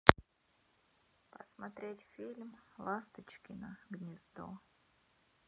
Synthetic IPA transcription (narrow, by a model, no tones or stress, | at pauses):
pə̰smɐt̪ɾʲetʲfʲilʲmlˠast̪ət͡ɕkʲɪnəɡnʲɪzd̪o̰